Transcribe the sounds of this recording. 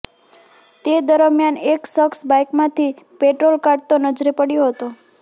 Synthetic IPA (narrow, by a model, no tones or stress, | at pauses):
t̪ed̪əɾəmjaneksəksbajkmãt̪ʰi | peʈɾolkaɾɖ̚t̪onəd͡ʒɾipəɽjoɦət̪o